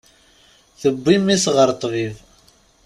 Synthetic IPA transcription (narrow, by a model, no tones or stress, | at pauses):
θəbːimːisʁəɾt̪ˤviv